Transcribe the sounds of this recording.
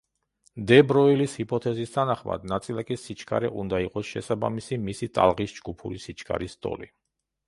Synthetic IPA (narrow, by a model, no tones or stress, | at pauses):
d̪ɛbɾɔilishipʼɔt̪ʰɛzist̪ʰanaχma̰d̪nat̪sʼilˠakʼisit͡ʃʰkʰaɾɛʔund̪aiqʼɔsʃɛsaba̰misimisit̪ʼa̰lˠʁisd͡ʒɡupʰuɾisit͡ʃʰkʰʼa̰ɾist̪ʼɔ̰li